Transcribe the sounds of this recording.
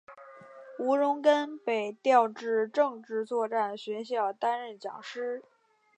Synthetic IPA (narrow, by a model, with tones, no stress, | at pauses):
u˧˥ɻʊ˧˥ŋkə˥npe˨˩ɪt̪jɑ˥˧ʊʈ͡ʂɻ̩˥˧ʈ͡ʂɤ˥˧ŋʈ͡ʂɻ̩˥˧t͡swɔ˥˧ʈ͡ʂa˥˩nɕɥɛ˧˥nɕ̬jɑ˥˩ʊt̪a˥nɻə˥˩nt͡ɕjɑ̰˨˩ŋʂɻ̩˥